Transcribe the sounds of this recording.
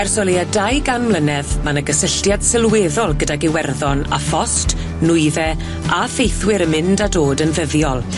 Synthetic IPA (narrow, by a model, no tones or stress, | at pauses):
ɛrsɔlˠiadajɡanmlˠənɛðmanəɡəsəɬtjad̥sɪlˠweːðɔlˠɡədaɡɪwɛrðɔna̰fɔst | nʊɨðɛ | afejθwɪɾəmɪndadoːdənvəvjɔlˠ